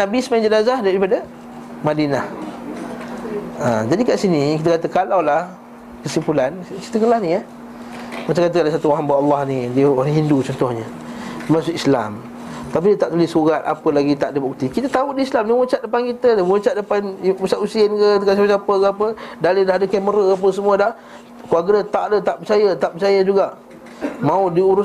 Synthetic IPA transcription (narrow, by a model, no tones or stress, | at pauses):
nabisəmand͡ʒənazahdaɾipadə | madinah | ad͡ʒadikaʔsinikit̪̬əkat̪əkalawlah | kəsipulanki̥t̪əkəlahnĩah | mat͡ʃaŋkat̪əkalasat̪uwaɦambaʔɑlːɑhnidiəwanɦindut͡ʃɔnt̪ʊhɲə | masʊʔ̪isla̰m | t̪ap̬idiət̪aʔt̪ulihsuɣat̪̚a̰pəlaɡit̪a̰ʔdəbuk̚t̪ikit̪ət̪auʔdiislamniŋut͡ʃat̪̚dəpankit̪ədəŋut͡ʃat̪̚dəpanusaʔusiənkət̪kas̬apəsapəkəapədalədaɦdəkɛməɾəap̬əsəmuədah | kuaɡədət̪aʔdət̪aʔpət͡ʃajət̪aʔpət͡ʃajəd͡ʒuɡaʔ | mãudiuɾʊs